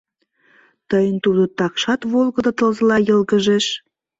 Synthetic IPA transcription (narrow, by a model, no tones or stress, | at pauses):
t̪əjənt̪ud̪ot̪ɑkʃɑt̪βolˠɣəd̪ɑt̪ə̆lzəlɑjəlɣəʒeʃ